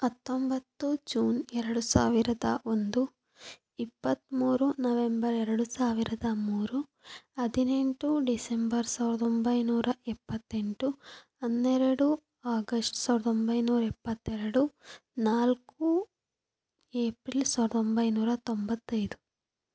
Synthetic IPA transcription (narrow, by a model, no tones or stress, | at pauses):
ɐt̪ːombɐt̪ːud͡ʒuːnɛɾɐɽusa̰ːʋiɾɐd̪a̰ːʔund̪u | ipːɐt̪muːɾunɐʋembɐɾɛɾɐɽusaːʋiɾɐd̪amuːɾu | ɐd̪ʱineɳʈuɖisembɐɾsɐːɾɐt̪ombɐjnuːɾɐʔipːɐt̪ːeɳʈu | ɐnːeɾɐɽu | aːɡɐsʈsɐːʈɐt̪ombɐjnuːɾɐipːɐt̪ːɛɾɐɽunaːlku | eːpɾilsɐɐt̪ombɐjnuːɾɐt̪ombɐt̪ːɐjd̪u